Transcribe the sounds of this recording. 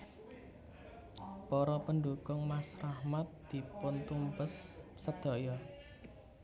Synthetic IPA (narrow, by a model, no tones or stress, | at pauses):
pɔɾɔpənɖuɡʊŋmasrahmat̪̚d̪̥i̤pʊnt̪umbəsːəd̪̥ɔ̤jɔ